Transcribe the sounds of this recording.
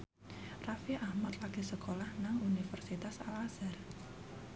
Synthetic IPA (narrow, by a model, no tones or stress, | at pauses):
rafiʔahmat̪laɡisəkʰolahnaŋunifərsit̪asalasər